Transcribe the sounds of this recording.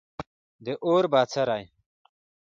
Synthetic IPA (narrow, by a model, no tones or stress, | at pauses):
d̪eʔoːɾbaːt͡sʰɐɾaːj